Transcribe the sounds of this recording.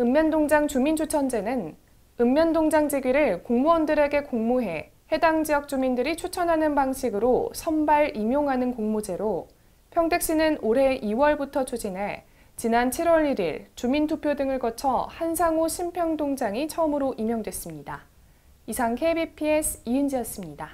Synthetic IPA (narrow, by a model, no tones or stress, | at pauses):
ɯmːjʌndoŋd͡ʑaŋt͡ɕumint͡ɕʰut͡ɕʰʌnd͡ʑe̞nɯn | ɯmːjʌndoŋd͡ʑaŋd͡ʑeɡɥiɾɯɭkoŋmuwʌndɯɾe̞ɡe̞koŋmuɦe̞ | he̞daŋd͡ʑijʌk̚t͡ɕ͈umindɯɾit͡ɕʰut͡ɕʰʌnɦanɯnbaŋɕʰiɡɯɾosʰʌmbaɾimjoŋɦanɯnkoŋmod͡ʑe̞ɾo | pʰjʌŋde̞k̚ɕ͈inɯnoɾe̞ʔiwʌɭbutʰʌt͡ɕʰud͡ʑinɦe̞ | t͡ɕinant͡ɕʰiɾwʌɾiɾiɭt͡ɕumintʰupʰjodɯŋɯɭkʌt͡ɕʰʌhansʰaŋoɕʰimpʰjʌŋdoŋd͡ʑaŋit͡ɕʰʌmɯɾoʔimjʌŋdwe̞s͈ɯmɲida | isʰaŋkʰe̞bipʰiesʰiɯnd͡ʑijʌs͈ɯmɲida